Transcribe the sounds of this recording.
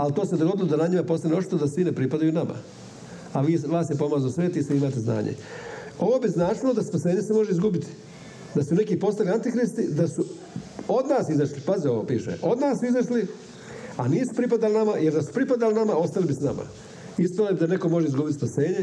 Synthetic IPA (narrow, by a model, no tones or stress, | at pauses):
alt̪o̞ːsed̪oɡo̞d̪ilˠod̪anaɲimapo̞st̪aneot͡ʃi̥t̪od̪asʋinepɾipad̪ajunama̰ | aʋiːʋaːsjepo̞maːzusʋe̞ːt̪isʋiimaːt̪ezna̰ːɲḛo̞ʋo̞ːbiznaːt͡ʃilod̪aspase̞ːɲe̞se̞mo̞ʒeizɡubit̪i̥ | d̪asune̞kiːpo̞st̪aliant̪ixɾist̪id̪asu | o̞d̪naːsizaʃlipazio̞ʋo̞̰ːpiːʃḛʔo̞d̪naːsizaʃli | aniːsu̥pɾipad̪alinamajeɾd̪asu̥pɾipad̪alinamao̞st̪alibisnama̰ | ispalabid̪ane̞ko̞mo̞ʒeizɡuːbit̪ispase̞ːɲe